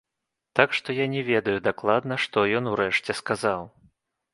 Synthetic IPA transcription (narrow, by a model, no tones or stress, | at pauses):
t̪akʂt̪ɔjanʲɛvʲɛd̪ɐjud̪aklˠad̪nɐʂt̪ɔjɔnuɾɛʂt͡sʲɛskazaw